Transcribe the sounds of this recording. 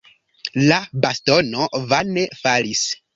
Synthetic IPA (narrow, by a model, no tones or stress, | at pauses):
labasto̞novanefalis